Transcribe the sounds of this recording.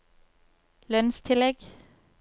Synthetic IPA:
lœnst̪ʰɪlɛɡ̥

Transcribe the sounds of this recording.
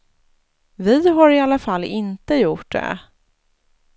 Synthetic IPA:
vɪɦaɾɪalːafalːɪnt̪əjʊʈ̚ɖɛ̰

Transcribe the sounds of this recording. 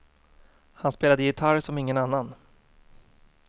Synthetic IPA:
hanspeːlad̪əjɪt̪ʰaɾsɔmɪŋːənanːan

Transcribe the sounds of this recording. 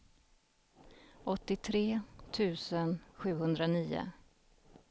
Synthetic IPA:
ʔɔt̪ːɪt̪ʰɾeːt̪ʰʉ̟ːsənɧʉ̟ːɦɵnd̪ɾaniːʊ̰

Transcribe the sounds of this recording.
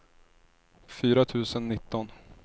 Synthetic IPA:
fyːɾat̪ʰʉ̟ːsənːɪt̪ːɔn

